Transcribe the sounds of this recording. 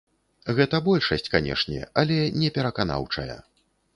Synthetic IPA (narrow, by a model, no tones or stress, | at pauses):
ɣɛt̪ɐbɔlʲʂɐsʲt͡sʲkanʲɛ̰ʂnʲɛ̰alʲɛnʲɛpʲɛɾɐkana̰wt͡ʂɐ̰jɐ̰